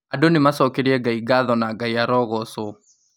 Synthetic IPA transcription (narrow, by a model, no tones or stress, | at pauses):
adonemasɔkeɾiɛɡaiɡaðɔnaɡaiaɾɔɣɔso